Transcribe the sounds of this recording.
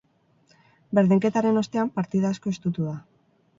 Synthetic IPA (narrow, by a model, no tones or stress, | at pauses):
be̞ɾðiŋke̞t̪aɾe̞no̞st̪e̞ampaɾt̪iðasko̞est̪ut̪uða